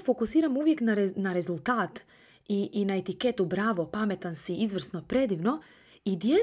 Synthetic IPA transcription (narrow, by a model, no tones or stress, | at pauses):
fokusiːɾamuʋje̞knaɾnaɾe̞zulˠt̪aːt̪ | iːnaet̪ike̞t̪ubɾaːʋo̞pame̞t̪ansiizʋr̩sno̞pɾe̞d̪iʋno̞ | id̪je